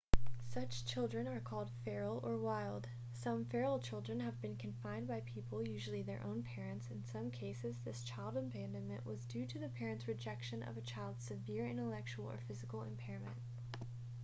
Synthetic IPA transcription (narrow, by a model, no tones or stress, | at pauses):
sʌt͡ʃt͡ʃʰɪlˠdɹɨ̃nə˞kʰɔlˠd̥fɛɹl̩ˠə˞waɪlˠd̥ | sʌ̃ɱfɛɹl̩ˠt͡ʃʰɪlˠdɹɨ̃nɨvbɨ̃nkʰɨ̃nfãɪ̃nbaɪpʰipl̩ˠjʉʒl̩ˠiðə˞ʔõ̰ʊ̃npʰɛɹɨ̃ntsɨ̃nsʌ̃mkʰeɪsɨzðɪst͡ʃʰaɪlˠdə̃npʰæ̃ndɨ̃mɨ̃nʔwʌzdʉɾɨðɨpʰɛɹɨ̃ntsɹɨd͡ʒɛkʃɨ̃nʔʌ̰vɨt͡ʃʰaɪlˠdz̥sɨvɪɹɪ̰̃ñəlɛk̚t͡ʃuwl̩ˠə̰˞fɪzɨkl̩ˠɪ̰̃mpʰɛɹɨmɨ̰̃nt̚